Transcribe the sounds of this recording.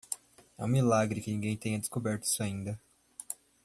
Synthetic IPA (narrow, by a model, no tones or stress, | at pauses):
ɛ̰ũmilaɡɾɪkɪnĩŋɡẽj̃t̪ẽj̃ɐd̪e̥skobɛɾt̪ʊi̥sʊaĩnd̪ɐ